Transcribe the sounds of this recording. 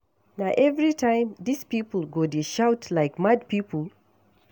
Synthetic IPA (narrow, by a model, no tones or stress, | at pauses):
naʔɛvɹitʰãɪ̃mðispipəl̩ˠɡodeʃawtlaɪkmad̚pipəl